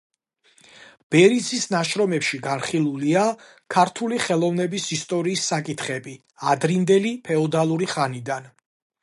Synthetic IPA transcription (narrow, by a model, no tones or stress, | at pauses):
b̥ɛɾisʰisnaʃɾɔmɛpʃiɡanχilˠulia | kʰaɾt̪ʰuliχɛlˠɔvnɛbisist̪ʼɔɾiːsːakʼit̪ʰχɛbi | ad̪ɾind̪ɛlipʰɛɔd̪alˠuɾiχanid̪an